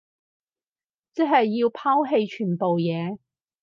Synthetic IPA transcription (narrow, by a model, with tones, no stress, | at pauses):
t͡sɛ˥ɦɐ˨jːiː˧wpʰaː˥wɦe˧jt͡ʃʰyː˨˩npo˨wjɛː˨˧